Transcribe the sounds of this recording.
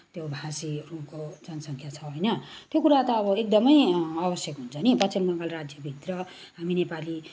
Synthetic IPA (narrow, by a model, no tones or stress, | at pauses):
t̪jobʱasirupkod͡zʌnsʌŋkʰjat͡sʰʌɦojnʌt̪jokuɾat̪ʌːbʌek̚d̪ʌmʌjabʌsjʌkɦunt͡sʰʌnipʌt͡simnʌŋɡalrad͡zjʌbʱit̪rʌ | ɦaminepali